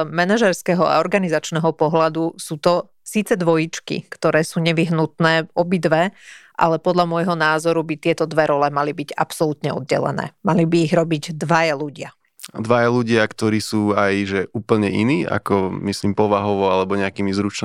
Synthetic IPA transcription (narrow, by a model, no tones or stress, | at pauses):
mɛnaʒɛɾskɛɦɔa̰ɔɾɡanizat͡ʃnɛːɦɔpɔɦlad̪usuːt̪ɔ | siːt͡sɛd̪ʋɔjit͡ʃkḭkt̪ɔɾɛːsuːɲɛʋiɦnut̪nɛːɔbid̪ʋɛʔa̰lɛpɔd̪lʎamʊɔjɦɔnaːzɔɾubit̪ɪɛt̪ɔd̪ʋɛɾɔlɛmalibiɟa̰psɔlut̪ɲɛɔ̰d̪̚ɟɛ̰lɛ̰nɛ̰ːmalibiːɣɾɔbiɟd̪ʋajaluɟɪa | d̪ʋajaluɟɪakt̪ɔɾiːsuːajʒɛʔuːpl̩ɲɛʔiniːa̰kɔmisliːmpɔʋaɦɔʋɔalɛbɔɲɛakiːmizɾut͡ʃn